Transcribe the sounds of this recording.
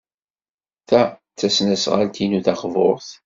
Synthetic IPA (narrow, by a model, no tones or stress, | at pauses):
θæ | t͡sːæsnəsʁa̰lt̪ʰinuθɑχvoɾˤθ